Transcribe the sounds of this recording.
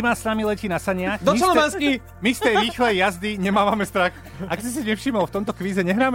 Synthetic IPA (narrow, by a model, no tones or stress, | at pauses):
maːsnamilɛcinasaɲɪaxd̪ɔmianski | mist̪ɛɾiːxlɛjazd̪iɲɛmaːʋamɛst̪ɾax | aksis̬iɲɛfʃiːmɔlft̪ɔmt̪ɔkʋiːzɛɲɛɦɾaːmɛ